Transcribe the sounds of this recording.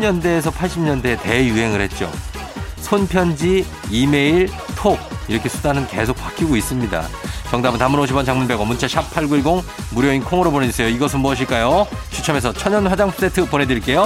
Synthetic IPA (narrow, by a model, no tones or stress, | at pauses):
ɲʌndeːs̬ʰʌpʰaɭɕ͈imɲʌnde̞te̞juɦe̞ŋɯɭhe̞t̚t͡ɕ͈o̰ | sʰonpʰjʌnd͡ʑi | ime̞iɭ | tʰoɡ̚iɾʌkʰe̞sʰudanɯnke̞sʰok̚p͈ak͈ʰiɡois͈ɯmɲida̰t͡ɕʌŋdabɯntamɯnoɕʰibʌnt͡ɕaŋmunbe̞ɡʌmunt͡ɕʰeɕʰapʰaɭɡuiɡoŋmuɾjʌinkʰoŋɯɾoboneisʰejoiɡʌsʰɯnbuʌɕ̬ʰiɭk͈ajo | t͡ɕʰut͡ɕʰʌme̞s̬ʰʌt͡ɕʰʌɲʌnɸwad͡ʑaŋpʰo̥s͈etʰɯpone̞dɾiɭk͈e̞jo